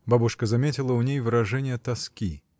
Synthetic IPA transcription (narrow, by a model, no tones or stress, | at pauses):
babuʂkəzamʲet͡sʲilˠəunʲejvɨɾaʐɛnʲɪjət̪askʲi